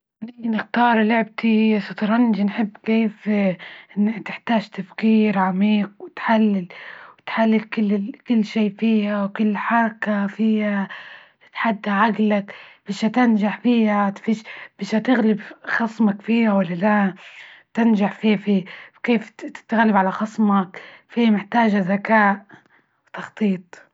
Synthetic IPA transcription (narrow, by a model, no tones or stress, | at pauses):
ʔʔninɪxt̪ɑːɾˤlʊʕb̚t̪isɑt̪ˤɾˤɑnd͡ʒinħɪbːkeːf | nat̪ɪħt̪aːʒt̪afkiːɾʕamiːq̚wɪt̪ħalːɪlwɪt̪ħalːɪlkɪlːkɪlːʃiːfiːhawkʊlːħɑɾˤɑkafiːha | t̪ħad̪ːaʕaɡlakb̥ɪʃhat̪ɪnʒaħfiːhat̪fiʃb̥ɪʃhat̪ɪɣlɪbxɑsˤmakfiːhawalːala | t̪ɪnʒaħfiːfiːkeːfɪ̥t̪aɣalːɪbʕalaxɑsˤmakfiːmɪħt̪aːʒazakaːʔ | wt̪ɑxt̪ˤiːt̪ˤ